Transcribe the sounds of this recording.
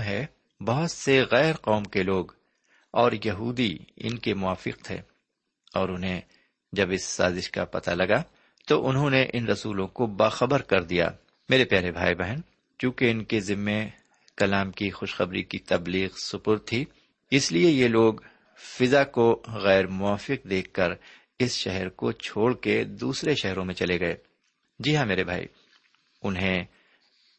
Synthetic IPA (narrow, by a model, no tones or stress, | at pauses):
ɦɛ | bɐɦʊt̪seɣɛːɾqɔːmkeloːɡ | ɔːɾjɐɦuːd̪iɪ̰nkemʊaːfɪ̰qt̪ʰḛː | ɔːɾʊnɦẽ | d͡ʒɐbɪsːa̰ːzɪʃka̰pɐ̰t̪a̰lɐɡa | t̪oʔʊnɦõneʔɪnɾɐsuːlõkobaːxɐbəɾkɐɾd̪ija̰ː | meːɾepjaːɾebʱaːibɛɦən | t͡ʃjũːkeɪnkezɪmːẽ | kɐlaːmkixʊʃxɐbɾikit̪ɐbliːɣsʊpʊɾt̪ʰːiː | ɪsliejeloːɡ | fɪzakoɣɛːɾmʊaːfɪq̚d̪eːkʰːɐɾ | ɪsʃɛɦɛɾkot͡ʃʰoːɽked̪uːsɾeʃɛɦɾõmẽt͡ʃɐleɡɐeː | d͡ʒiːɦãmeːɾebʱa̰ːḭ | ʊnɦẽ